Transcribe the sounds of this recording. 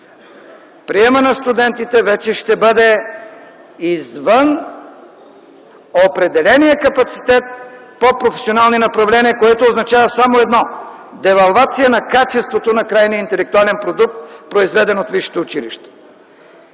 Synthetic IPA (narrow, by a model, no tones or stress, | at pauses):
pɾiɛmɐnɐst̪ud̪ɛnt̪it̪ɛvɛt͡ʃɛʃt̪ɛbɤd̪ɛ | izvən | opɾɛd̪ɛlɛnijəkɐpɐt̪si̥t̪ɛt̪̚ | popɾofɛ̥sionalˠninɐpɾɐvlɛniəkoɛt̪oːznɐt͡ʃavɐsamoɛd̪nɔ | d̪ɛvɐlˠvat̪sijənɐkat͡ʃɛst̪vot̪onɐkɾajniəint̪ɛlɛk̚t̪ualɛnpɾod̪uk̚t̪̚pɾoizvɛd̪ɛnot̪viʃi̥t̪ɛʊt͡ʃilḭʃt̪ɛ̥